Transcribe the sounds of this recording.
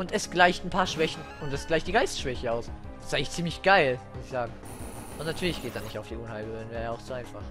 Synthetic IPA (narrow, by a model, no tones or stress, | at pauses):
ʔʊntɛsɡ̥laɪçtn̩pʰaːɐʃv̥ɛçn̩ʔʊntɛsɡ̥laɪçt̚d̥iɡaɪstʃv̥ɛçəaʊs | sɪ̥tʔaɪŋlɪ̥çtt͡siːmlɪçɡ̥aɪlmʊsɪçz̥aːɡŋ̩ | ʔʊntnatʰyːɐlɪçɡ̥eːt̚d̥anɪçtaʊfd̥iːʔʊnhaɪlbøːənvɛːʁjɐaʊxz̥oːaɪnfaχ